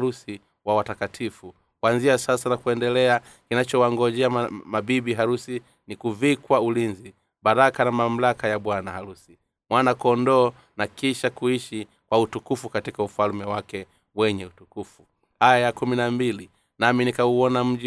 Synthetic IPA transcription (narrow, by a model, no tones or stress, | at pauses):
usi | wawatakatʰifu | kwanziasasanakuɛndɛlɛa | kinat͡ʃɔwaŋɡɔʄɛamabiɓiɦaɾusi | nikuvikwaulinzi | ɓaɾakanamam̩lakajaɓwanahaɾusi | mwanakɔndɔː | nakiʃakuiʃi | kwautukufukatikaufalmɛwakɛ | wɛɲɛutukufu | ajakuminambili | naminikauɔnam̩ʄi